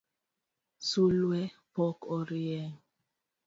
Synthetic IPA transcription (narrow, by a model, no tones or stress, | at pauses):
sulwɛpɔkɔɾiɛŋ